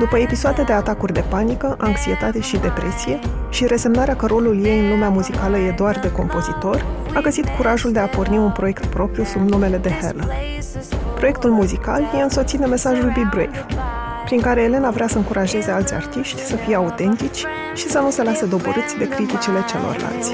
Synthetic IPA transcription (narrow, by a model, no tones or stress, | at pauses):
d̪upəe̞pisoad̪ed̪e̞at̪akurʲd̪e̞panikəʔaŋksie̞t̪at̪e̞ʃid̪e̞pɾe̞sije̞ | ʃiɾe̞se̞mnaɾeakəɾo̞lulje̞ɨnlumeamuzikaləje̞d̪oard̪e̞ko̞mpo̞zit̪o̞r | aɡəzit̪kuɾaʒuld̪e̞aporniunpɾo̞je̞kt̪pɾo̞pɾijusubnume̞le̞d̪e̞hḛrlə | pɾo̞je̞k̚t̪ulmuzika̰lje̞ɨnso̞t̪sit̪eme̞saʒulbibɾḛjf | pɾiŋkaɾe̞ːle̞navɾeasəɨŋkuɾʔaʒe̞ze̞alt̪sʲa̰rt̪iʃt̪ʲsəfijeaut̪e̞nt̪it͡ʃʲ | ʃisənuse̞lased̪o̞bo̰ɾɨt̪sʲd̪e̞kɾit̪it͡ʃile̞t͡ʃe̞̰lo̰rla̰lt̪sʲ